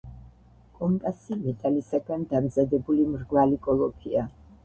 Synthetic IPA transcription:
kʼɔmpʼasivɛt̪ʰʼalisaɡand̪amzad̪ɛbulimɾɡvalikʼɔlˠɔpʰia

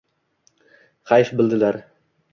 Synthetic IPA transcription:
χajfbɪlˠd̪ɪlaɾ

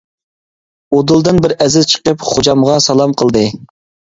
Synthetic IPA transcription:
od̪ulˠd̪ɨnbɪɾɛzɪzt͡ʃʰə̥qəpχod͡ʒɑmʁɑsɑlˠɑmqʰəlˠd̪ɨ

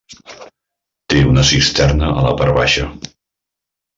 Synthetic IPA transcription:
t̪eunəsist̪ɛrnəʔələ̰paɾβaʃə

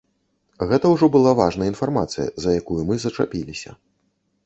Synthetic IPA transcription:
ɣɛt̪ɐwʐɔbɨlˠavaʐnɐjəinfarmat̪sɨjɐ̰zɐjakujumɨzɐt͡ʂa̰pʲilʲisʲɐ̰

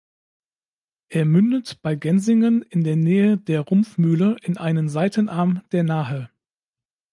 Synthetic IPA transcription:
ʔeːɐmʏndətb̥aɪɡɛnzɪŋənɪndeːɐnɛːədeːɐʁʊmfmyːləʔɪnʔaɪnənzaɪtənʔaɐmd̥eːɐnaːɦə

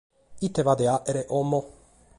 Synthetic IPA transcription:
it̪ːevad̪eaʔeɾeʔomːo

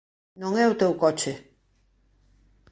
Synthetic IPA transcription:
nõŋɛʊt̪ewkɔt͡ʃe

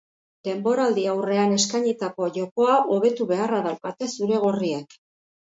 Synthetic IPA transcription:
d̪e̞mbo̞ɾald̪iawre̞ane̞skaɲit̪ako̞ʝo̞ko̞aʔo̞β̞e̞t̪uβe̞araðawkat̪e̞suɾe̞ɣ̞oriek

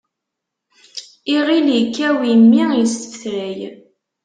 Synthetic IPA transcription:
iʁiljəkːæwimːijəst̪ə̥fθɾæj

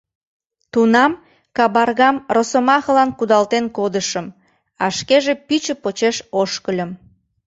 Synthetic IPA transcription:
t̪unɑm | kɑbɑrɣɑmrosəmɑxəlɑnkud̪ɑlt̪enkod̪əʃəm | ɑʃkeʒepyt͡ɕəpot͡ɕeʃoʃkəlʲə̆m

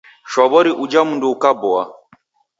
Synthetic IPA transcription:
ʃɔβɔɾiʔud͡ʒamunduːkabɔa̰

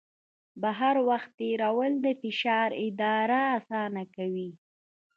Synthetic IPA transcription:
baɦaɾwaxt̪ːeɾawəld̪əfɪʃɑɾɪd̪ɑɾaːsɑnakawi

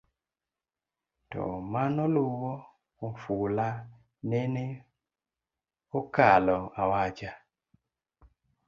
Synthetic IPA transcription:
tɔ̰manɔluwɔ | oɱfula | nɛne | okalɔawat͡ʃa

